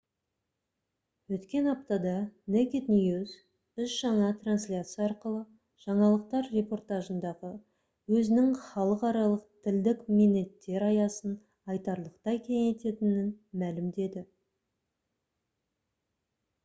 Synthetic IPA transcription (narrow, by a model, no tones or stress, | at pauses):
wɵt̪kʲe̞nɑp̚t̪ɑd̪ɑnekʲet̪nʲijuz | ʏsʒ̥ɑɴɑt̪ranslʲat̪sijɑɑɾqəlˠə | ʒ̥ɑɴɑlˠəq̚t̪ɑɾre̞po̞rt̪ɑʒənd̪ɑʁə | wɵzɪnɪŋχɑlˠəqɑɾɑlˠəqt̪ʰɪld̪ɪkmenːe̞t̪ːe̞ɾɑjɑsən | ɑjt̪ɑɾlˠəqt̪ɑjkʲʰe̞ŋe̞t̪e̞t̪ɪnɪnmælɪmd̪e̞d̪ɪ